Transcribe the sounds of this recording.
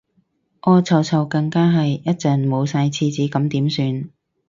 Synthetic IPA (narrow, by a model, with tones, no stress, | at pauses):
ʔɔː˨˧t͡sʰɐ˨˩wt͡sʰɐ˨˩wkɐ˧ŋkaː˥ɦɐ˨jjɐ˥t̚t͡sɐː˨nmo˨˧wsaː˧jt͡sʰiː˧t͡siː˨˥kɐ˨˥mt̪iː˨˥msyː˧n